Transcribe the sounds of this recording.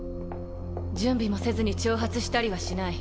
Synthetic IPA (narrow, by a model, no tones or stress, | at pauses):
d͡ʑɨ̃mbʲimo̞se̞zɨɲ̟it͡ɕoːɦat͡sɨɕi̥t̪aɾʲiβaɕinai